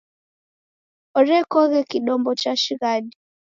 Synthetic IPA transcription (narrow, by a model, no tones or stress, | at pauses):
ɔɾɛkɔɣɛkiɗɔmbɔt͡ʃaʃiɣaɗi